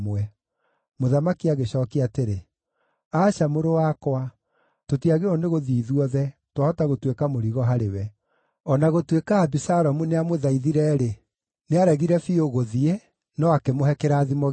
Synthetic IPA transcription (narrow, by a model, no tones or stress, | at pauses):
mwɛ | moðamakiaɣeɕɔːkiateɾe | aːɕamoɾowakwa | totiaɣeɔneɣoðiːðuɔðɛtwahɔtaɣotwekamoɾiɣɔɦaɾewɛ | ɔnaɣotwekaabisaɾɔmuneamoðaiðiɾɛɾe | neaɾɛɣiɾɛfioɣoðie | nɔakemoɦɛkeɾaːðimɔɣ